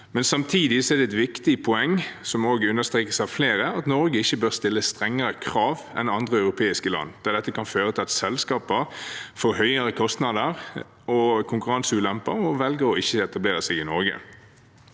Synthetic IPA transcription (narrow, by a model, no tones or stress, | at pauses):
mɛnsɑmt̪ʰiːd̪ɪsɔɛʁd̪ɛt̪ʋɪkt̪ɪpʰɔɛŋːsɔmoːɡəʉnːəʁst̪ʁeːkəsɑʋfleːɾəɑt̪nɔɾɡəɪçːəbøːʁst̪ɪlːəst̪ʁɛŋːəɾəkʰʁɑːʋɛ̰nɑnd̪ʁəœʉɾʊpʰeːɪskəlɑ̰nːd̪̥æd̪ɛt̪ːəkʰɑnføːʁət̪ʰɪlɑt̪sɛlskɑːpəʁfoːhœʏəɾəkʰɔst̪nɑd̪əʁ | ɔkʰʊŋkʉʁɑnsʉːlɛmpəɾɔʋɛlɡəʁɔɪçːəɛt̪ɑbleːʁəsɛɡɪnɔɾɡə̰